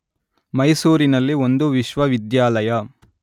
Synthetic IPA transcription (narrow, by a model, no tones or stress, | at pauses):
mɐjsuːɾinɐlːio̞nd̪uʋiʃʋɐʋid̪jaːlɐjɐ